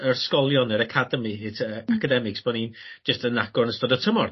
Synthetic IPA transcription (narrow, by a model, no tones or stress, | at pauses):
ərskɔlˠjɔnəɾəkʰadəmiɪtʰəakʰədɛmɪksb̥ɔnin̥d͡ʒ̥əstənaɡ̥ɔrnəstɔdətʰəmɔr